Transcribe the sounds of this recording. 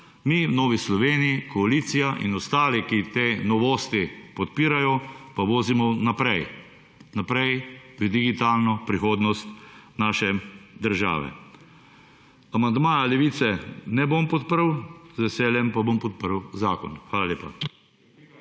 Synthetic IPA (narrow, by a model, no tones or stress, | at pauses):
miwnoːʋislɔʋeːnijikɔaliːt̪sijaʔḭnɔst̪aːlikit̪eːnɔʋoːst̪ipɔt̪̚piːɾajɔpaʋoːzimɔnapɾɛj | napɾɛjpɾid̪iɡit̪aːlnɔpɾixoːd̪nɔst̪naːʃɛd̪əɾʒa̰ːʋɛ̰ | amand̪maːjalɛʋiːt̪sɛnɛboːmpɔt̪̚pəɾwzʋɛsɛːljɛmpabompɔt̪̚pəɾwzaːkɔ̰nxʋaːlaleːpa̰